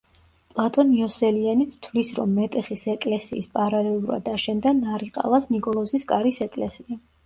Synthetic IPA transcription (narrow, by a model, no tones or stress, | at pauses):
pʼlˠat̪ʼɔniɔsɛlianit̪sʰt̪ʰvlisɾɔmːɛt̪ʼɛχisɛkʼlɛsḭːspʼaɾalɛlˠuɾa̰d̪aʃɛnd̪anaɾiqʼa̰lˠasnikʼɔlˠɔziskʼaɾisɛkʼlɛsia